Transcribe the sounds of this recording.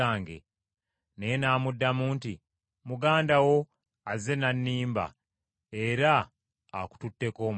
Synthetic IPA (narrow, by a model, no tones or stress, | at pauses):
aːŋɡḛ | nejenaːmudːamuːnti | muɡaːndawo̞ | aze̞nanːiːmba̰ | e̞ɾaː | ku̥tutːe̞ko̞ːm